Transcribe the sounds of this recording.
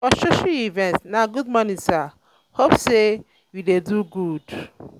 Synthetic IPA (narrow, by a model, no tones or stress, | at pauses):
ɔʃʊʃiivɛ̃ntnãɡudmɔ̃nĩsa | hopse | wideduɡud